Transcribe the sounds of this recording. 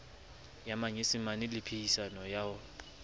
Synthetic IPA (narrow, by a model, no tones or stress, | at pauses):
jamaɲesɪmanɪlɪpʰeisanɔjaʊ